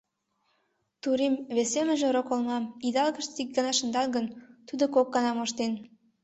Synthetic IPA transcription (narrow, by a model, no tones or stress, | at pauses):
t̪uɾimβesemə̆ʒĕɾokolmɑmid̪ɑlɣə̆ʃt̪ik̚ɡɑnɑʃə̆nd̪ɑlɣə̆nt̪ud̪okok̚ːɑnɑmoʃt̪en